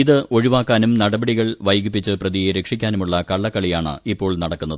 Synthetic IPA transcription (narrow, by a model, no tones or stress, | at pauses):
iðɨʔo̞ɻiʋaːkːaːnumnɐɽɐbɐɽiɣɐɭʋɐjɡipːit͡ɕːɨprɐðijeɾekʂikʲːaːnumuɭːɐkɐɭːɐkːɐɭijaːɳɨ̰ipːo̞ːɭnɐɽɐkːunːɐðɨ